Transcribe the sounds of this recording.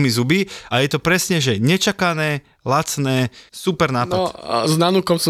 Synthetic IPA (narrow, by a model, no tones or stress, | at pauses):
mizubiajɛt̪ɔpɾɛsɲɛʒɛɲɛt͡ʃakanɛː | lat͡snɛːsupɛɾnaːnɔznanukɔmsɔ